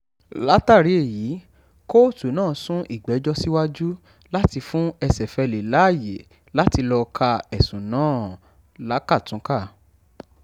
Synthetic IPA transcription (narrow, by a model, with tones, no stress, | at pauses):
la˦ta˦˨ɾi˨˦e˦˨jiː˨˦ | ko˦tu˨˦nãː˦˨˦sũ˦ʔi˦˨ɡ͡bɛ˨˦d͡ʒɔ˦si˦wa˦d͡ʒu˦ | la˦ti˧fũ˦ɛ˧sɛ˨fɛ˧le˨la˨˦˨je˨˦ | la˦ti˧lɔ˧kʰa˧ɛ˨sũ˨nãː˨˦ | la˨˦ka˦˨tũ˨˦ka˦˨